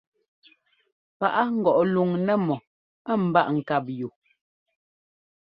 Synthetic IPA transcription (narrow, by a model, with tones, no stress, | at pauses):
pa˨ʔa˦ŋ̩˦ɡɔ˨ʔlu˨ŋnɛ˦˨mɔ˨ | ə˦˨m̩˨ba˦ʔŋ̩˨ka˦˨p̚ju˨